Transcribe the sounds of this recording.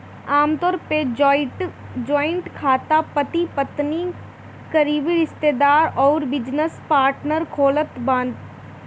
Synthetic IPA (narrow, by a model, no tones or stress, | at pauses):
aːmt̪ɔːɾpe | d͡ʒɔːɪ̃ɳʈkʰaːt̪apət̪ipɐt̪ni | kɐɾiːʋiɾɪst̪eːd̪aːɾɔːɾbɪd͡ʒnəspaːɾʈnəɾkʰoːlət̪bãːnd̪